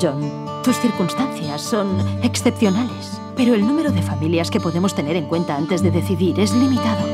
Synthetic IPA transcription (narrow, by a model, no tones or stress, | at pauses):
ʒon | t̪usθiɾkunst̪anθjasːo̞neksθepθjo̞nales | pe̞ɾoelnũmeɾoðe̞familjaske̞po̞ðe̞most̪e̞ne̞ɾeŋkwe̞nt̪aant̪e̞zðeðe̞θiðiɾe̞zlimit̪aðo